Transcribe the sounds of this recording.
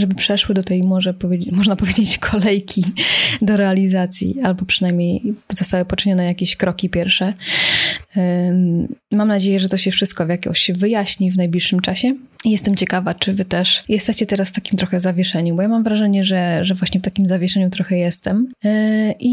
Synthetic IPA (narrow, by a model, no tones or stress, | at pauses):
ʐɛbɘpʂɛʂwɘd̪ɔt̪ɛjmɔʐɛpɔvʲmɔʐnapɔvʲjed͡ʑet͡ɕkʰɔlɛjkʲid̪ɔɾɛalʲizat̪sʲjḭalbɔpʂɨ̥najmʲɲejzɔst̪awɘpɔt͡ʂɨɲɔnɛjakʲeɕkɾɔkʲipʲjɛɾfʂɛ | mamnad͡ʑejɛʐɛt̪ɔɕɛfʂɘst̪̚kɔvjakʲɔ̰ɕvɘjaɕɲivnajblʲiʂːɘmt͡ʂaɕɛ | ijɛst̪ɛmt͡ɕɛkavat͡ʂɘvɘt̪ɛʂjɛst̪ɛt͡ɕɛt̪ɛɾasft̪akʲimt̪ɾɔxɛzavʲjɛʂɛɲubɔjamamvɾaʐɛɲɛʐɛʐɛvwaɕɲɛft̪akʲimzavʲjɛʂɛɲut̪ɾɔxɛjɛst̪ɛm | ʔi